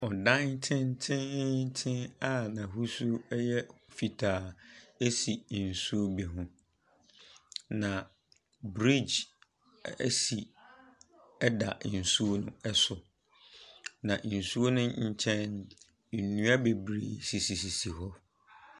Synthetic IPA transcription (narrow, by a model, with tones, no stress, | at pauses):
ɔ˨dã˦ntʰɪ̃˦n˦tʰɪ̃˦tʰɪ̃˦na˦˨nã˨ɦu˦su˦ɛ˦jɛ˦fi˨tʰaː˨e˦si˨n̩˨su˦o˦bɛ˨ɦʊ̃˦ | nã˨ | bɾi˦d͡ʑ | æ̰˦si˨˦ | da˨n̩˨su˦o˦nʊ̰̃˦ɛ˦sʊ˨ | nã˨n̩˨su˦o˦nʊ̃˦ɲ̩˦t͡ɕʰɛ̃˦n̩˨ | nũ˦a˦be˨bɾḛː˨si˨si˨si˨si˨ɦɔ˦